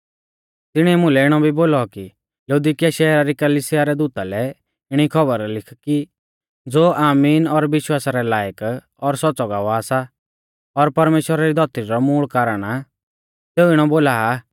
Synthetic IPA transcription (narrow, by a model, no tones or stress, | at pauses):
t̪ɪɽ̃ɛmʊ̃lɛɪɽ̃ɔbʱiboːlɔki | lɐud̪ikijaʃɛːɾaɾikɐliːsɪjaɾɛd̪uːt̪alɛ | ɪɽ̃ikʰɔbəɾlɪkʰki | d͡zoːʔaːmiːnɔɾʋɪʃwaːsaɾɛlaːjək | ɔɾsɔt͡sɔɡaːʋɔaːsa | ɔɾpɐɾmeːʃwəɾaɾid̪ʱɔt̪iɾɔmuːɭkaːɾəɽ̃a | seːuɪɽ̃ɔboːlaa